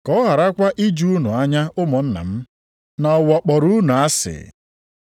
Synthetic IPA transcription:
kɔ˨˦ɦa˨ɾa˦kʷa˦ʔi˦d͡ʒu˦u˦nu˨a˦ɲa˦ʊ˦mɔ˨n̩˦na̰˨m̩˦ | na˨ɔ˨wɔ˨k͡pɔ˨ɾu˦nu˨a˦sɪ̰˨

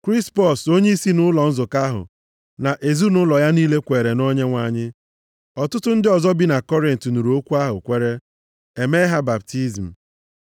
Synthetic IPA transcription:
kɾi˦spɔ˨so˦ɲe˦i˦si˦nʊ˦lɔ˨n̩˦zʊ˨ka˦ɦʊ̰˨ | na˨ʔe˨zu˦nʊ˦lɔ˨ja˦niː˦le˦kʷe˨ɾe˨no˦ɲe˦ŋʷa˨ɲɪ˦ | ɔ˨tʊ˦tʊ˦n̩˦dɪ˦ɔ˨zɔ˦bi˦na˨kɔ˦ɾɪ˨n̩˨tnu˨ɾu˨o˦kʷu˦a˦ɦʊ̰˨kʷe˦ɾe˦ | e˨me˦ɦa˦ba˨p̚ti˦zm̩˨

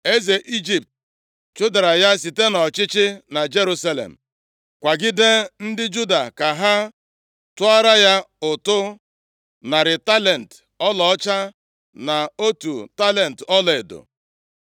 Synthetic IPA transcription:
e˦ze˨ʔi˦d͡ʒi˨p̚t̚ | t͡ʃʊ˦da˨ɾa˨ja˦si˨te˦nɔ˨t͡ʃɪ˦t͡ʃɪ˦na˨d͡ʒe˦ɾu˦sa˦lḛ˨m̩˨ | kʷa˨ɡɪ˦de˦n̩˦dɪ˦d͡ʒu˦da˨ka˨ɦa˦ | tʊ˦a˦ɾa˦ja˦ʊ˨tʊ˦ | na˨ɾɪ˨ta˦le˨n̩˨t | ɔ˦lɔ˨ɔ˦t͡ʃa˦ | na˨o˦tu˨ta˦le˨n̩˨tɔ˦lɔ˨e˨do̰˨

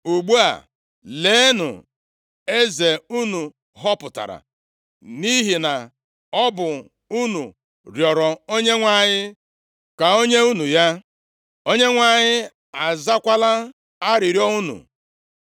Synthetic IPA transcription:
u˨ɡ͡bu˦a̰˨ | le˨˦nʊ̰˨ | e˦ze˨u˦nu˨ | ɦɔ˦pʊ˨ta̰˨ɾa̰˨ | ni˦ɦi˨na˨ | ɔ˦bʊ˨ | u˦nṵ˨ | ɾjɔ˨ɾɔ˨o˦ɲe˦ŋʷa˨ɲɪ˦ | ka˨o˦ɲe˦u˦nu˨ja˦ | o˦ɲe˦ŋʷa˨ɲɪ˦ | a˨za˦kʷa˦la˦ | a˦ɾɪ˨ɾjɔ˦u˦nṵ˨

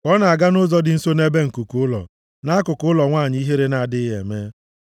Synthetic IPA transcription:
ɔ˦na˨a˨ɡa˦nʊ˦zɔ˦dɪ˨n̩˦so˦ne˦be˦ŋ̩˨ku˨kʊ˦lɔ̰˨ | na˦kʊ˨kʊʊ˦lɔ˨ŋʷa˦˨ɲ˦i˦ɦe˦ɾe˦na˨dɪ˦ɦḛ˨me˦

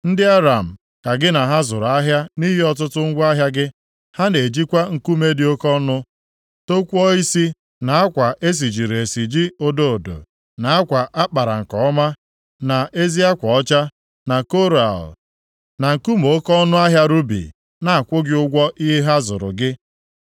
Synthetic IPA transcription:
n̩˦dɪ˦a˦ɾa˨m̩˨ | ka˨ɡɪ˦na˨ɦa˦zʊ˨ɾʊ˨a˦ɦja˦ni˦ɦi˦ɔ˦tʊ˦tʊ˦ŋ̩˦ɡʷa˦ɦja˦ɡɪ˦ | ha˦ne˨d͡ʒi˦kʷa˦ŋ̩˨ku˦me˦dɪ˦o˦kɔ˦nʊ˦ | to˦kʷɔ˦i˦si˦ | na˨a˦kʷa˨ʔe˦s̬i˨d͡ʒi˨ɾe˨si˨d͡ʒi˦o˦do˦˨o˨do̰˨ | na˨a˦kʷa˨ʔa˦k͡pa˨ɾa̰˨ŋ̩˨kɔ˨ɔ˦ma˦ | na˨e˦zi˦a˦kʷɔ˨ɔ˦t͡ʃa˦ | na˨ko˦ɾa̰˨l | na˨ŋ̩˨ku˦mo˨o˦kɔ˦ɔ˦nʊ˦a˦ɦja˦ɾu˦bḭ˨ | na˨a˨kʷʊ˦ɡɪ˦ʊ˦ɡʷɔ˦ʔi˦ɦe˦ɦa˦zʊ̰˨ɾʊ̰˨ɡɪ˦

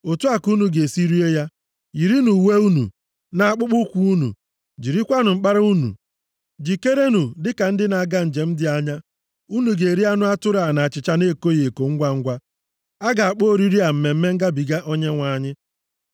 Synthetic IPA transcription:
o˨tu˦a˨ku˦nu˨ɡe˨si˦ɾi˦e˦ja˦ | ji˨ɾi˦nu˨we˦u˦nṵ˨ | na˨a˨k͡pʊ˦k͡pʊ˦kʷu˨˦u˦nṵ˨ | d͡ʒi˨ɾi˦kʷa˦nʊ˨ŋ͡m̩˨k͡pa˦ɾa˦u˦nṵ˨ | d͡ʒi˨ke˦ɾe˦nu˨dɪ˦ka˨n̩˦dɪ˦na˨ɡa˦n̩˨d͡ʒe˨m̩˦dɪ˦a˦ɲa˦ | u˦nu˨ɡe˨ɾi˦a˦nʊ˦a˦tʊ˦ɾa˨na˨t͡ʃɪ˨t͡ʃa˦ne˦˨ko˦je˨ko˨ŋ̩˦ɡʷa˦ŋ̩˦ɡʷa˦ | a˦ɡa˨a˨k͡po˦˨ɾi˦ɾi˦a˨m̩˨˦me˨m̩˦me˦ŋ̩˦ɡa˦bi˨ɡa˦ʔo˦ɲe˦ŋʷa˨˦˨ɲɪ˦

